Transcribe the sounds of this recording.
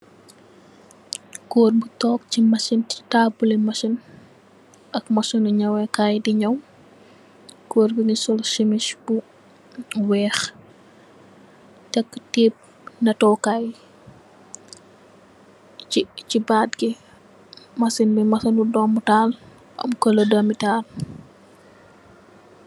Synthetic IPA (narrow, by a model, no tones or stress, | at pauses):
koːrbutɔːk̚t͡ʃimɐsintaːbulimɐsin | ʔɐkmɐsɔnuɲɐwɛkaːjdiɲɐw | koːrbiŋisɔlʃimiʃb̥u | wɛːx | tɛkːtiːp̚ | nɐtɔːkaːj | t͡ʃibaːtɡi | mɐsinbɛmɐsɐnudɔːmbutaːl | ʔɐ̰mkɔlɔdɐmitaːr